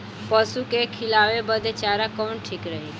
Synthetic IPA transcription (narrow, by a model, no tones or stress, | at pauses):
pəsukekʰilaʋebəd̪et͡ʃaɾakɔnʈʰikɾəɦi